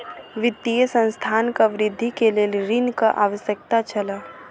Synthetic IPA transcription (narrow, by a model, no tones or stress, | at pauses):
ʋɪt̪ːijəsə̃nst̪ʰaːnkaʋɪɾɪd̪ʱːikelelɾinkaʔaːʋəsjək̚t̪at͡ʃɐlaː